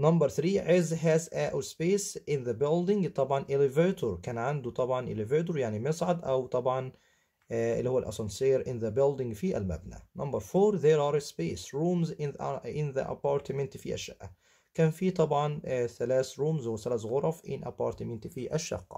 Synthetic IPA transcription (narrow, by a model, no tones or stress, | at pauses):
nɑmbɑɾˤθɾiːʕezɦæːsʔæːʔwspeːsʔɪnðæbɪld̪ɪŋɡt̪ˤɑbʕɑnʔɪlɪveːt̪ʊɾkæːnʕand̪ut̪ˤɑbʕɑnʔɪ̰lɪveːt̪̬ʊɾjaʕnimɪsˤʕad̪ʔæwt̪ˤɑbʕɑn | ɪ̰lːihowːælʔæ̰sˤɑnseːɾʔɪnðæbɪld̪ɪŋɡfiʔæ̰lmæ̰bnæ̰nɑmbɑɾˤfoːɾðeɾɑːɾˤspeːsɾuːmzɪnðæ̰ʔæ̰pːɑːɾt̪ɪmɪnt̪fḭʔæ̰ʃːæ̰ʔæ̰ | kæːnfiːt̪ˤɑbʕɑnθælæːθɾuːmzwθælæθɣoɾˤɑfʔɪ̰nʔæ̰pːɑ̰ːɾt̪ɪmɪnt̪fiʔæʃːɑ̰qːɑ̥̰